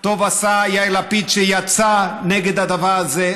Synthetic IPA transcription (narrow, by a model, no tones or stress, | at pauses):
t̪ovasajajlapit͡ʃejat̪t͡s̪anɛɡed̪ad̪avaːzɛ